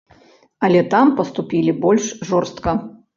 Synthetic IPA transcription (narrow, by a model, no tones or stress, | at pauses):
ɐlʲɛt̪ampɐst̪upʲilʲibɔlʲʂʐɔrst̪kɐ